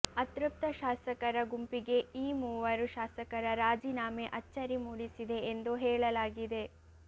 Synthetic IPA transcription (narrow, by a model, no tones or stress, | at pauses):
ɐt̪ɾup̚t̪ɐʃaːsɐkɐɾɐɡumpiɡe̞iːmuːʋɐɾuʃaːsɐkɐɾɐɾaːd͡ʒiːnaːmeʔɐt͡ʃːɐɾimuːɽisid̪e̞ːnd̪uɦɛːɭɐlaːɡid̪e̞